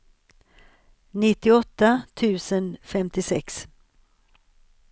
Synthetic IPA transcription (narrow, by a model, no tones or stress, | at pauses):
nɪt̪ːɪɔt̪ːat̪ʰʉ̟ːsənfɛmt̪ɪsɛks